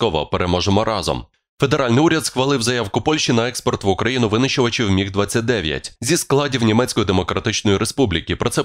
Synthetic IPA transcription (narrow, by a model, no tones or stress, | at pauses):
kɔʋɔ̰peɾemɔʒemɔɾɑzɔ̰m | fe̞d̪eɾɑlʲnɪuɾʲɐd̪sxʋɐlˠɪwzɐjawkʊpɔlʲʃt͡ʃinɐɛkspɔrt̪ʋʊkɾɐjinʊʋɪnɪʃɔʋɐt͡ʃɪwmʲiɣd̪ʋat͡sʲːɐt̚ʲd̪ɛʋʲjɐ̰tʲzʲisklˠɑdʲiwnʲimɛt͡sʲkɔjid̪emɔkɾɐt̪ɪt͡ʃnɔjiɾespublʲikʲipɾɔtsɛ